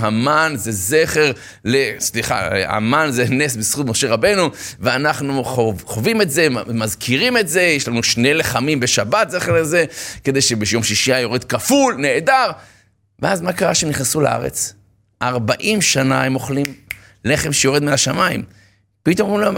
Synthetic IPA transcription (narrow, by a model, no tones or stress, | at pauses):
hamanze̞zeχeʁ | lesliχa̰a̰manzene̞s̬bisχut̪mo̞ʃe̞ʁabe̞nuveanaχnuoχovime̞tze̞mazkʰiʁime̞tze̞jeʃlanuʃnejleχamimbeʃabat̪ze̞χeʁleze̞ked̪e̞jʃebejo̞mʃiʃiajo̞ʁed̪kafulne̞ːd̪aʁ | veazmakaʁaʃeemniχnesula̰ʔa̰ʁḛt͡s | ʔaʁbaʔimʃanaemo̞χlim | leχe̞mʃejo̞ʁed̪miaʃamaḭm | pit̪omimlam